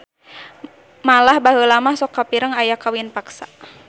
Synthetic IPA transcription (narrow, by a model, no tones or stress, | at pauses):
malahbaɦəlamahsɔkːapiɾəŋajakawinpaksa